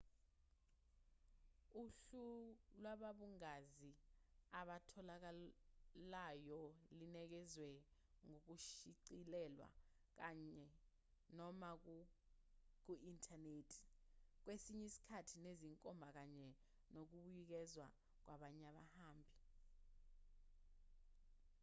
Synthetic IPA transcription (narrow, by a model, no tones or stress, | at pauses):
uɬulwaɓaɓuŋaziaɓatʰɔlak̬a | lajɔlinɛk̬ɛzwɛ | ŋok̬uʃiǀilɛlwa̰ | k̬aɲɛ | nɔmak̬ | k̬uʔintʰʼaneːtʰi̥k̬wesiɲisi̥kʰatʰineziŋkʼɔmbʱak̬aɲɛ | nok̬uɓujik̬ɛzwa̰ | k̬waɓaɲaɓahaːmbʱi